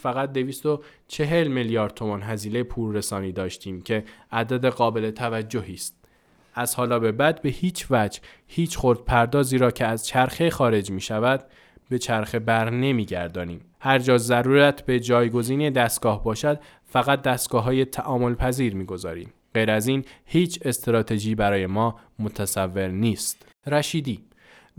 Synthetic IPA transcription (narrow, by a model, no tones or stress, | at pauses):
fæɣæt̪̚d̪e̞viːst̪o̞ | t͡ʃʰe̞ɦe̞lmeljɒːɾd̪̚t̪ʰo̞mɒːnɦæziːlejepʰuːɾːe̞sɒːniːd̪ɒːʃt̪ʰiːmcʰe̞æd̪æd̪e̞ɣɒːbe̞le̞t̪ʰævæd͡ʒːohiːst̪̚ | ʔæz̥hɒːlɒːbe̞bæd̪be̞hiːt͡ʃʰvæd͡ʒhiːt͡ʃʰxoɾd̪̥̚pʰæɾd̪ɒːziːɾɒːcʰeæzt͡ʃʰæɾxexɒːɾe̞d͡ʒmiːʃævæd̪ | be̞t͡ʃʰæɾxe̞bæɾne̞miːɟæɾd̪ɒːniːm | hæɾd͡ʒɒːzæɾuːɾæt̪ʰbe̞d͡ʒɒːjɡo̞ziːned̪æst̪̚ɡ̥ɒːhbɒːʃæd̪ | fæɣæt̪̚d̪æst̪ɡ̥ɒːɦɒːje̞t̪ʰæʔɒːmo̞lpʰæziːɾmiːɡo̞zɒːɾḭːm | ɢ̥ejɾæziːnhiːt͡ʃʰe̞st̪ɾɒːt̪ʰe̞d͡ʒiːbæɾɒːje̞mɒː | mot̪ʰæsævːe̞ɾniːst̪ | ɾæʃiːd̪iː